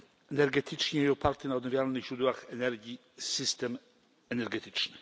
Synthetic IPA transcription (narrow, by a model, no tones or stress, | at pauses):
ɛnɛɾɡɛt̪ʰɘt͡ʂɲɛiɔpaɾt̪ɛnaɔd̪nɔvʲjalnɘɣʑɾud̪waxɛnɛɾɡʲji | sɘst̪ɛm | ɛnɛɾɡɛt̪ɘ̥t͡ʂnɘ